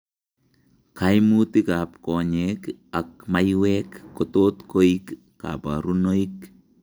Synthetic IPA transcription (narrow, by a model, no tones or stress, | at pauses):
kʰajmutikap̚koɲekak̚majwekːot̪ot̪koikː | a̰pa̰ɾunoik